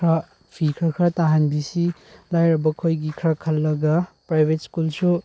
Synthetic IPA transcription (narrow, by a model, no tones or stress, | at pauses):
ɾa | pʰikʰɾakʰɾataɦanbisi | lajɾɐbɐkʰojɡikʰɾakʰɐlːɐɡɐpɾajbʱet̚skulsu